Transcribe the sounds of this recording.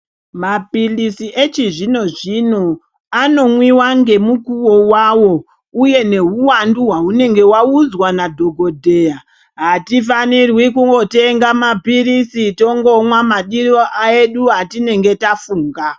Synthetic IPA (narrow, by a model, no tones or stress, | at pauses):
mapilisiʔet͡ʃiʐino̞ʐino̞ | ano̞mwiwaŋɡe̞mukuwo̞waːwo̞ | uje̞ne̞ɦuwanduɦwaɦune̞ŋɡe̞waud͡zwanadʱo̞ɡʱo̞dʱe̞ːja | ɦatifanirwikuŋɡo̞te̞ŋɡamabʱirisito̞ŋɡo̞mwamaɗiɾoʔaeɗuɦatine̞ŋɡe̞tafuːŋɡa